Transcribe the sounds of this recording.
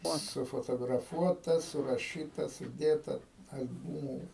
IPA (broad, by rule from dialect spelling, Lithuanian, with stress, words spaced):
ˈoːt sʊfoːtoːɡrɐˈfuɔtɐ sʊrɐˈʃʲiːtɐ sʊˈdʲeːtɐ ɐlʲˈbuːmuː